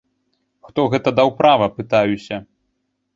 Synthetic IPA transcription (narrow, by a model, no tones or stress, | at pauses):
xt̪ɔɣɛt̪ɐd̪awpɾavɐpɨt̪ajusʲɐ